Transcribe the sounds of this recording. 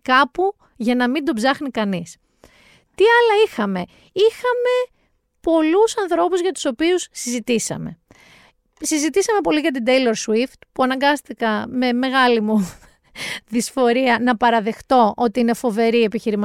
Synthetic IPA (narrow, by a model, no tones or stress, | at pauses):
kɐpu | ʝɐnɐmind̪o̞bzɐxnikɐnis | t̪iɐlɐixɐme̞ | ixɐme̞ | po̞lusɐnθɾo̞puzʝɐt̪u̥so̞piusːizit̪isɐ̰me̞̰ | sizit̪isɐme̞po̞liʝɐt̪̬ind̪ejlo̞ɾswift̪puɐnɐŋɡɐst̪ikɐme̞me̞ɣɐlimu | ðisfo̞ɾiɐnɐpɐɾɐðe̞xt̪o̞ʔo̞t̪iine̞fo̞ve̞ɾie̞piçiɾimɐ